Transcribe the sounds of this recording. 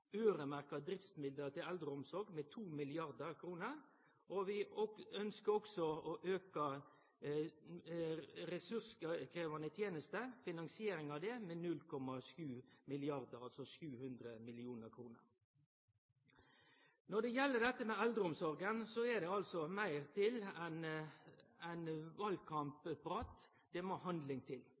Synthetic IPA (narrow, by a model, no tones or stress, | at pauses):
øːɾəmæʁkɑd̪ɾɪft̪smɪld̪ət̪ʰɪlɛld̪ɾəʊmsɔɾɡmɛt̪ʰuːmɪlɪɑʁd̪əɾkʰɾuːnəɾ | ʔɔʋɪɔœnskəɾɔksɔɔʔøːkɑ | ɾɛsʉskʰɾeːʋɑnət̪ʰjeːnəst̪əfɪnɑŋsɪeːɾɪŋɑʋd̪ɛmɛnʉlkʰɔmɑʂjʉːmɪlɪɑʁd̪əɾɑlsɔʂjʉːhʉnd̪ɾəmɪlɪuːnəɾkʰʁuːnə̰ɾ | nɔd̪ɛjɛlːəd̪ɛt̪ːəmɛɛld̪ɾəʊmsɔʁɡənsɔɛd̪ɛɑlsɔmæɪʁt̪ʰɪlɛn | æɪnʋɑlkʰɑmppʁɑːt̪ | d̪̥ɛmoːɦɑnd̪lɪŋt̪ʰɪl